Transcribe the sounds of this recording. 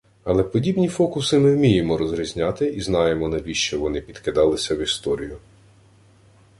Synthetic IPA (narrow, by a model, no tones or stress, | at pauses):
ɐlˠɛpɔdʲibnʲifɔkʊsɪmɪwmʲijemɔɾɔzɾʲizʲnʲɑt̪ɪiznɑjemɔnɐbʲiʃt͡ʃɔʋɔnɪpʲid̪kɪd̪ɑlˠɪsʲɐwist̪ɔɾʲijʊ